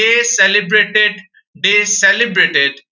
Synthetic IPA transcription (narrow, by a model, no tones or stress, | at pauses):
esɛlibɾeːʈeɖ | ɖeːsɛlɪbɾeːʈeɖ